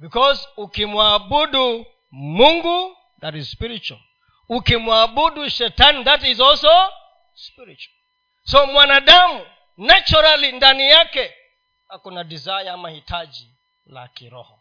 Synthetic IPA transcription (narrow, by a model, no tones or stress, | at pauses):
bikɔzukimwabudu | muŋɡu | ðaɾizspiɾit͡ʃa̰l | ukimwabuduʃɛtanðathizɔso | spiɾit͡ʃal | somwanaɗamu | nat͡ʃɔɾalindanijakɛ | hakunadizajamahitʰad͡ʒi | la̰kiɾɔ̰hɔ̰